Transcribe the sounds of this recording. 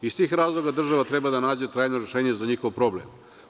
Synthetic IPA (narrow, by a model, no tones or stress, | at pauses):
ist̪iːxɾaːzlˠo̞ɡad̪r̩ʒaʋat̪ɾe̞bad̪anaːd͡ʑet̪ɾaːjno̞ɾeʃeːɲezaɲixoʋpɾo̞blem